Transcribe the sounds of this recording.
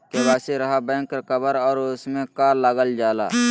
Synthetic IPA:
kebaːseɾɐɦabɛ̃ːŋkɾəkəbəɾɔːɾʊsmẽkaːɾləɡəld͡ʒaːla̰ː

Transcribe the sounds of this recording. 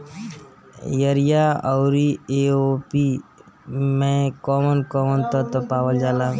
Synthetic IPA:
jəɾijaɔʊɾieopi | mẽkɔːmənkɔmənt̪ət̪əpaːʋəld͡ʒaːlaː

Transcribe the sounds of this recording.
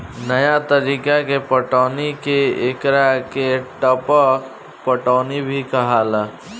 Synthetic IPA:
nəjat̪əɾiːkakepəʈaːnikeekɾakeʈəpək | pəʈaːnibʱikaɦaːlaː

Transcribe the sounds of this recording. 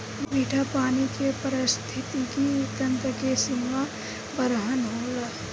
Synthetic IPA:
miːʈʰapaːnikepəɾɪst̪ʰɪt̪ikiʊt̪ənt̪əkesɪma | bəɾəɦənɦoːlaː

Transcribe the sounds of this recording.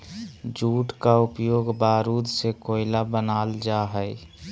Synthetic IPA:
d͡ʒuːʈkaʊpjoːɡbaːɾuːd̪ʱsekoːɪlabənaːld͡ʒaɦəe

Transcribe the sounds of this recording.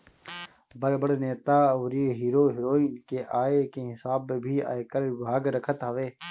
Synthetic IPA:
bəɾbəɽneːt̪aːoːɾeːɦiːɾoːɦɪɾoːiːnkeʔaːekeɦɪsaːbːebʱiːa̰ːekəɾbʱaːɡɾəkʰət̪ɦəʋeː

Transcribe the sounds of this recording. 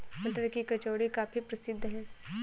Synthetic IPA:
ɐlʈəɾkikɐt͡ʃoːɽikaːfipɾɐsɪd̪ʱːɦɛ̃ː

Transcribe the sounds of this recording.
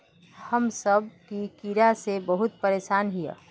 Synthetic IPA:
həmsəb̚kikiɾasebəɦʊt̪̚pəɾeːʃaːnɦija̰

